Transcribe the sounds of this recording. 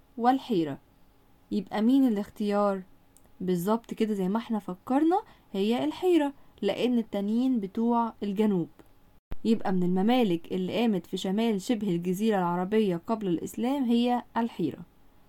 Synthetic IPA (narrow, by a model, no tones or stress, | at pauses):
welħiːɾæ̰ | jebʔæmiːnelext̪ejɑːɾˤ | bezˤːɑb̚t̪ˤked̪æzæjːmæʔeħnæfækːɑɾˤnɑ | hejːælħiːɾæleʔenːet̪ːæniːnbet̪uːʕelɡænuːb̥ | jebʔæmenelmæmæːlɪkʔelːiʔæːmæt̪fiʃæmæːlʃebhelɡæziːɾælʕɑɾˤɑbejːæqɑblælʔḛslæːmɦejːæælħiːɾæ̰